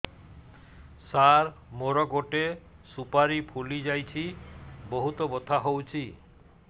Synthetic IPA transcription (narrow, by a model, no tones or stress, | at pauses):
saɾmoɾɔɡoʈe | supaɾipʰulid͡ʒajt͡ʃʰiboɦut̪ɔbot̪ʰaɦowt͡ʃʰi